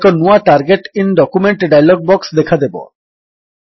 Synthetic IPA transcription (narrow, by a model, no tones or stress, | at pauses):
konuaʈaɾɡeʈinɖɔkumeɳʈɖajlɔɡ̚bɔksd̪ɛkʰad̪ebo̰